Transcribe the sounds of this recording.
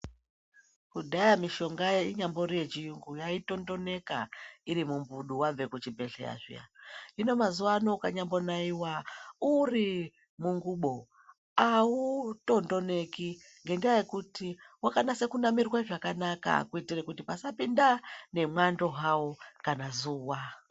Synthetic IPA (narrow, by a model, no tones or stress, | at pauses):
kuɗajamiʃo̞ŋɡajeiɲambo̞ɾijet͡ʃiuŋɡujaito̞ndo̞ne̞ka̰iɾimumbuɗuwab͡ve̞kut͡ʃibe̞ɬḛa̰ʐḭja̰ino̞mazuwanokaɲambo̞naiwauri | muŋɡuɓo̞ | auto̞ndo̞ne̞ki | ŋɡe̞ndijaje̞kutiwakanase̞kunamirwaʐakanaka̰kuitirekutipasapindane̞mwando̞ɦawo̞kanazuːwa